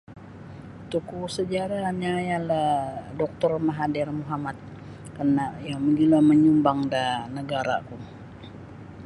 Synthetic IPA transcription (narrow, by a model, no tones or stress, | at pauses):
t̪ukusəd͡ʒaɾaɲajaladɔk̚t̪ɔrmaɦadirmuɦamat̪̚ | kənajaməɡilaməɲumbaŋdanəɡaɾa̰kum